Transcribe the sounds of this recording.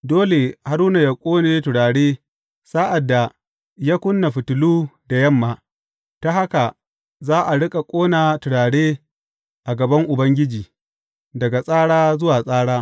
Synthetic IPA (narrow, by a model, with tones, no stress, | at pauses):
doː˦le˨ha˨ɾuː˦na˨ja˨kʷʼoː˦neː˦tʊ˨ɽaː˨ɽeː˦ | saː˦ʔa˨dːa˨ | jaː˦kʷʊ˦nːa˨ɸɪ˨tʊ˨luː˦da˨jɐ˦mːaː˨ | ta˦ha˦ka˨ | zaː˦ʔa˨ɽɪ˦kʼa˨kʷʼoː˦naː˨tʊ˨ɽaː˨ɽeː˦ | ʔa˨ɡɐ˨bɐ˦ŋʔʊ˨bɐ˦ŋɡʲɪ˦d͡ʒiː˨ | dɐ˨ɡa˨sʼaː˦ɽaː˦zʊ˦waː˨sʼaː˦ɽaː˦